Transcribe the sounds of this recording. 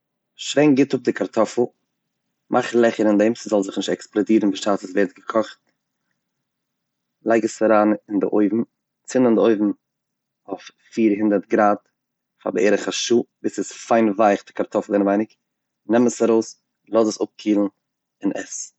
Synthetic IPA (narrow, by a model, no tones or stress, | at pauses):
ʃveɪŋɡɪtʊp̚dɪkʰaɾtʰɔfl̩ˠ | mʔaχlˠɛχəɾɪndɛmsɪzɔlˠzɪχnɪʃtɛksplˠɔdiːɾn̩bəʃaːsəsveːɾt̚ɡəkʰɔχt̚ | lˠaɪɡəsaɾaːnɪndɪ̰ʔoɪvm̩ | t͡sɪnəndɪoɪvm̩ | oʊffiːɾɦɪndəɾtɡɾaːt | fa̰bəeɪɾəχaʃuːbɪsɪsfaɪnvaɪχdɪkaɾtʰɔfl̩ˠɪnvaɪnɪk | nɛməsaɾoʊs | lˠɔzəsʊp̚kʰiːlˠn̩ | ɪnʔɛ̰s